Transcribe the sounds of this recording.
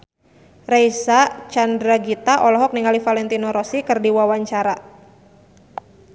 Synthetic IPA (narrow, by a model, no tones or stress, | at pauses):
rajsat͡ʃandɾaɡit̪aʔɔlɔɦɔk̚niŋalifalɛnt̪inɔɾɔsikɨrdiwawaɲt͡ʃaɾa